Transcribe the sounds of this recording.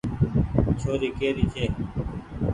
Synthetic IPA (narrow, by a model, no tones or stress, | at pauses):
t͡ɕʰoːɾiːkeːɾiːt͡ɕʰeː